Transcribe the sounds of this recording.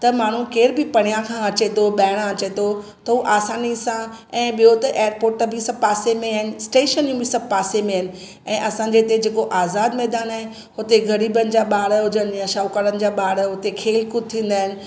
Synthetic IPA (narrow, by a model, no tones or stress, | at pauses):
t̪ɐmaːɳ̤ukeːɾbɪpɐɽ̃ijãkʰãɐt͡ɕet̪ʰoɓaːɪɽ̃ãɐt͡ɕet̪ʰo | t̪ɐɦuʔaːsaːnisã | ɛ̃ːɓijot̪ɐʔeːəɾpoːɾʈbʱɪsɐb̚paːsemẽɦaɪnɪ̆sʈeːʃənjũbʱɪsɐb̚paːsemẽɦɪnɪ̆ | ɛ̃ːʔɐsãɲ̆d͡ʑet̪ed͡ʑeːkoʔaːzaːd̪mɛːd̪aːnaɦɪn | ɦʊt̪eɡʱɐɾiːbənɪ̆d͡ʑaɓaːɽɦʊd͡ʑən̆jaʃaːʊkəɾənɪ̆d͡ʑaːɓaːɽʊt̪ekʰeːlkʊt̪ʰĩːn̆d̪aːɦɪnɪ̆